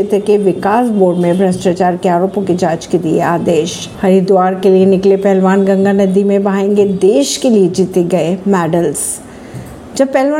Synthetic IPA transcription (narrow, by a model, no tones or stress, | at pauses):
ɪt̪əkeʋɪkaːsboːɖmẽbʱɾɐsʈat͡ʃaːɾkeaːɾoːpõked͡ʒaːt͡ʃkelieaːd̪eːʃ | hɐɾid̪uaːɾkelienɪklepɛɦlʋaːnɡɐ̃ŋɡanɐd̪imẽbɐaẽːŋɡed̪eːʃkelied͡ʒiːt̪eɡɐemɛːɖəls | d͡ʒɐb̚pɛɦlʋaː